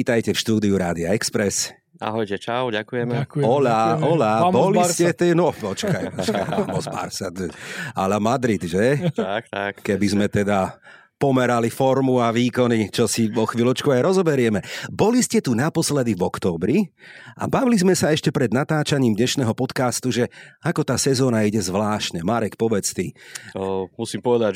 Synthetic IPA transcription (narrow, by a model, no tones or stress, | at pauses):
iːt̪ajcɛfʃt̪uːd̪iuɾaːd̪iaɛkspɾɛs | a̰ɦɔjcɛt͡ʃaʊɟakujɛmɔʎaɔlabɔliscɛt̪ɛnɔpɔt͡ʃkajɔt͡ʃkaja̰mɔzba̰ɾsat̪a̰lamad̪ɾid̪ʒɛt̪akt̪akkɛbizmɛt̪ɛd̪a | pɔmɛɾalifɔɾmuaʋiːkɔnit͡ʃɔsiʋɔxʋiːlɔt͡ʃkuajɾɔzɔbɛɾɪɛmɛbɔliscɛt̪unapɔslɛd̪ivɔkt̪ɔːbɾia̰baʋilizmɛsaɛʃcɛpɾɛd̪nat̪aːt͡ʃaɲiːmd̪ɲɛʃnɛːɦɔpɔt̪kaːst̪uʒɛakɔt̪aːsɛzɔːnaiɟɛzʋlaːʃtɲɛmaɾɛkpɔʋɛt͡st̪i | musiːmpɔʋɛd̪a